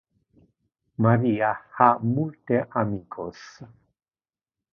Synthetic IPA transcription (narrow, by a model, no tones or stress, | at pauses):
maɾiahamult̪eʔamikʰos